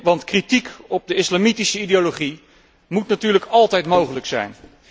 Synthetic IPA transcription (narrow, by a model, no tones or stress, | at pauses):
ʋɑntkritikɔb̚dəɪslamitisəidejoloχi | mutnatyːɹləkɑlˠtɛjtmowχələksɛ̰jn